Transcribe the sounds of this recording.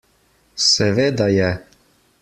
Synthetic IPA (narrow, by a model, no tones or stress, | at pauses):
sɛʋeːd̪ajɛ